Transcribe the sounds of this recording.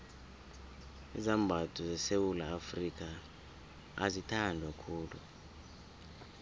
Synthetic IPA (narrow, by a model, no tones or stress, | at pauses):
izambʱatʰʼuzɛsewulaːfrik̬ʰʼa | a̰zitʰandʱwakʰuːlṵ